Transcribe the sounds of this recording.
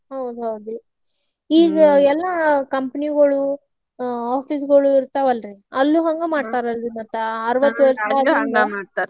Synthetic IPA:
ɦɐwd̪uɦɐwd̪u | iːɡɐɛlːɐkɐmpniɡɐɭu | aːpʰiːsɡɐɭuiɾt̪aʋɐlɾiɐlːuɦɐŋɡemaːɖt̪aːɾɐld̪inːɐt̪ɐɐɾɐʋɐt̪ːʋeɾsaːd͡ʒɐŋɡɐat̪ː

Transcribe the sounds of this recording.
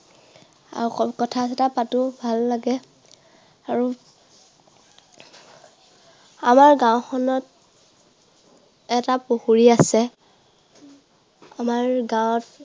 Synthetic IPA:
a̰ukɔtʰasɛtapatʊbʱalːaɡɛ | aɹu | amaɹɡãw̃xɔnɔt̚ | ɛtapohuɹiasɛ | amaɹɡãwt̚

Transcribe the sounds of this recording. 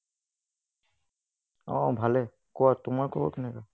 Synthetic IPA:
ɔ̰̃bʱalɛ | kɔwatʊmaɹkɔbɔ̰kɛnɛka

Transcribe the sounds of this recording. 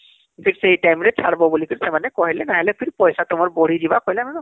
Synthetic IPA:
kʰitsejtajmɹɛtsʰaɹbɔbulikitsɛmanɛkɔɦilɛnaɦilɛpʰiɹpɔjsatʊmɔɹboɹidibakojlɛmanɔ

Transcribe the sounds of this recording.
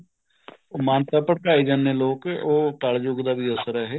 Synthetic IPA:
mãːnt̪aːpəɽkaːeːd͡ʒaːnːeːloːkʔoːkaɭd͡ʒoɡd̪aːbiːəsəɾɛɦeː

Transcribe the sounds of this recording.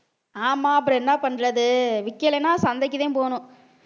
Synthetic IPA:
aːmaːɐp̬ːɯɾɐ̃ɛnːaːpɐɳːɯɾɐðɯʋɪkːɛlɛnːaːsɐnd̪ɐkːɪðẽːpoːnʊ̃

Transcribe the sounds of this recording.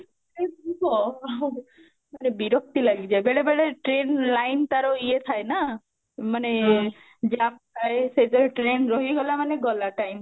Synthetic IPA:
ebbɔ | manebiɾɔk̚t̪ilaɡid͡ʒaebeɽebeɽeʈɾenlajnt̪aɾɔiet̪ʰajna | mane | d͡ʒamt̪ʰaesejt̪ɔʈɾenɾɔɦiɡɔlamaneɡɔlaʈajm

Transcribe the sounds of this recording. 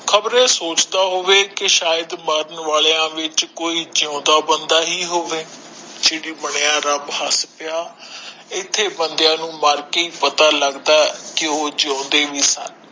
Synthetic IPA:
kʰəbɾẽːsoːt͡ʃd̪aːɦoːʋeːkɪʃaːjəd̪məɾənʋaːleːãːʋɪt͡ʃkoːiːd͡ʒãːd̪aːbənd̪aːɦiːɦoːʋeː | d͡ʒɪːɽiːbəɳejãːɾəbɦəspɪjaː | ɪt̪ʰːeːbənd̪jãːnũːmaːɾkeiːpət̪aːləɡd̪aːkɪoːd͡ʒãːnd̪eːʋiːsə̰n

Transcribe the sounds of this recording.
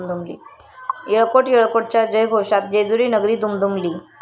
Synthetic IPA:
md̪ʱumlḭː | jeɭkoʈjeɭkoʈ̚t͡ɕjad͡ʑəjɡʱoʂat̪̚d͡ʑed͡zuɾiːnəɡɾiːd̪umd̪umliː

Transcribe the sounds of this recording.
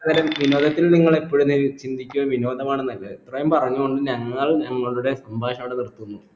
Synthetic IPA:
ɐðɐɾɐmʋino̞ːd̪ɐt̪ːilniŋːɐɭepːoːɻumnit͡ɕind̪ʱikʲːuoʋino̞ːd̪ɐmaːɳenːɐlːɐt̪rɐjɐmpɐrɐɲːuɣo̞ɳɖɨɲɐŋːɐɭɲɐŋːɐɭuɽe̞sɐmbʱaːʂɐmːɽenirt̪ːunːu

